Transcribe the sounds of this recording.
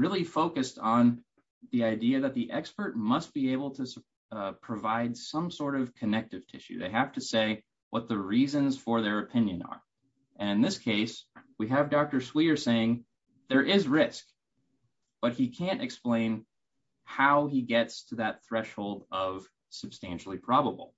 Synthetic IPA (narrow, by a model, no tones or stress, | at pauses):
ɹɪlˠifoʊkɨstn̩ | ðiaɪdiɨðɨt̪̚ðiʔɛkspə˞t̚mʌst̚b̥ieɪbl̩ˠtʰɨs | pʰɹ̥ɨvaɪdsʌ̃msɔɹɾʌv̥kʰɨnɛk̚tɨv̥tʰɪ̰ʃʉ̰ðeɪɦæftɨseɪ | wʔʌt̪̚ðɨɹizɨ̃nz̥fə˞ðə˞ɨpʰɪ̃njɨ̃nə̰˞ | ʔɨ̃ñɨ̃nðɪskʰeɪswiɨvdɑk̚tə˞swiə˞seɪɪ̃ŋ | ðə˞ʔɪzɹɪsk | b̥ʌt̚hikʰæ̃ntɨksplẽɪ̃n | haʊiɡɛtstʰɨðɨt̪̚θɹɛʃhoʊlˠdʌv̥ | sɨb̥stæ̃nʃl̩ˠipʰɹ̥ɑbəbl̩ˠ